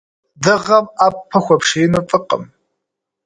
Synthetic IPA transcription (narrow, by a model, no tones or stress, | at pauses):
dɨʁɐmaːpʰːɐxʷɐpʰʂeːnɐfʼɨqʼə̰m